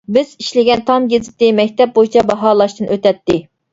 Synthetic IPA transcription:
bɪz̥iʃlɪɡʲɛnt̪ʰɑmɡʲezɪt̪ːɪmɛkʲt̪ɛp̚bojit͡ʃʰɛbɑɦɑːlˠɑʃt̪ɨnʔøt̪ɛt̪ːɪ

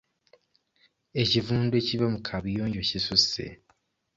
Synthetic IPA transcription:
ecivuːndwe̞ciβamukʰaβijoːɲɟocisusḛ

